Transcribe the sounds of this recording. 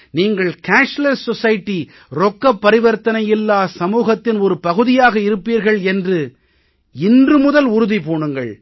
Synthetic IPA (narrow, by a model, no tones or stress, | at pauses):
niːŋɡɐɭkaːnslɐɾsɔsɐjʈːi | ɾɔkːɐpːɐɾɪʋɐɾt̪ɐnɐjɪlːaːsɐmuːɣɐt̪ːɪnɔɾɯpɐɣɯðɪjaːɣɐɪɾɯpːiːɾɣɐɭɛndrɯ | ɪndrɯmʊðɐlʊɾʊðipoːɳɯŋɡɐ̰ɭ